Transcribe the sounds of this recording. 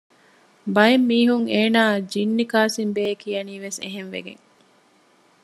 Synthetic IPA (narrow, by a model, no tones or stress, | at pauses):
bɐjemːiːɦuŋeːnaːd͡ʒinːikaːsimbeːkijɐniːʋesḛɦenʋḛɡḛŋ